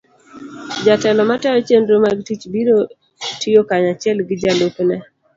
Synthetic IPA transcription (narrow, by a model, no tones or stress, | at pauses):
d͡ʒatɛlɔmatɛɾɔt͡ʃendɾomaɡtit͡ʃbiɾo | tɪjokaɲat͡ʃɪɛlɡɪd͡ʒaloknɛ